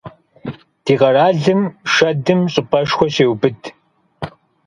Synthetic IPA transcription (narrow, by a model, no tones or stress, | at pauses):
d̥iːʁɐraːɮɨmʂɐdɨmɕʼɪpʰɐʂxʷɔɕeːwbɨdʰ